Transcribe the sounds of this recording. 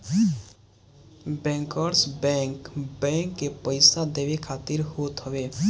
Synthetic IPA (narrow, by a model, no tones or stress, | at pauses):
bɛ̃ːŋkəɾsbɛ̃ŋkbɛ̃ŋkːepəɪsad̪eːʋekʰaːt̪iɾhoːt̪ɦəʋe